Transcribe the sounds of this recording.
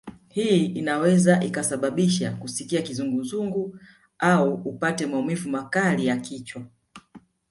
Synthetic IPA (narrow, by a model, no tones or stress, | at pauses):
hiinawɛzaʔikasaɓaɓiʃakusikiakizuŋɡuzuŋɡu | auupatɛmaumivumakalijakit͡ʃwa